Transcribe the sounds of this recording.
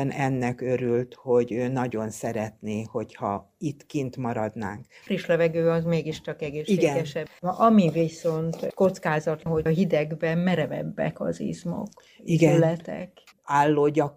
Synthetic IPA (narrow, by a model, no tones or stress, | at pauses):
ɛnɛnːɛkøɾylt̪ho̞ɟøːnɒɟo̞nsɛɾɛt̪neːho̞chɒ̰ | it̪kint̪mɒɾɒd̪na̰ːŋkfriʃlɛvɛɡøːɒzmeːɡiʃt͡ʃɒkɛɡeːʃːieɡːɛnɡɛʃɛbʔɒmiviso̞nt̪ko̞t̪skaːzɒt̪ɦo̞ɒɦid̪ɛɡbɛmmɛɾɛvɛ̰bːɛ̰kɒ̰zḭzmo̰k | izɡɛelɛt̪ɛ̰k | aːlːoːɟɒk